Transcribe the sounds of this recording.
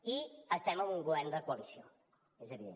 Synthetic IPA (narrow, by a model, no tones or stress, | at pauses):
iəst̪ɛməmuŋɡuβɛrnd̪əkuəlisio̰ | ezəβiðḛ